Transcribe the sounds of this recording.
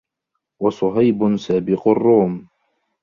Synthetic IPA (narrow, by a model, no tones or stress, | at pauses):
wɑsˤʊɦajbʊnsaːbɪqʊrˤːuːm